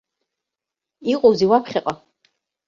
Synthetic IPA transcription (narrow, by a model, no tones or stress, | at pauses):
iqʼuwziwapʰχʲɛqʼa